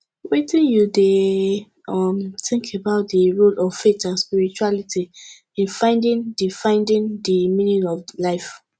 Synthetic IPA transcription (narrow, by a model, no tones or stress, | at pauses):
wetĩnjude | ʌmθɪ̃ŋkʰebaʊt̚dəɹolɔv̥fetãnspiɹit͡ʃualitʰi | ĩnfãɪ̃ndĩndifãɪ̃ndĩndəmĩnĩnɔvlaɪf